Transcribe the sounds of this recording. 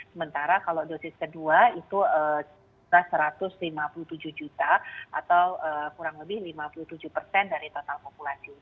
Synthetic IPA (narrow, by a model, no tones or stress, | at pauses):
səmənt̪aɾakalodosɪskəduait̪uəs | ɾasəɾat̪ʊslimapuluht̪ud͡ʒuhd͡ʒut̪aa̰t̪awəkuɾaŋləbɪhlimapuluht̪ud͡ʒuhpərsɛndaɾit̪ot̪alpopulasi